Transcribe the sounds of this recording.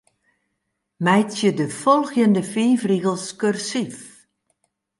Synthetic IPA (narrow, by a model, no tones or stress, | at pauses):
mɛjtjədəfɔlˠxjəndəfiːfriɣəlˠskørsif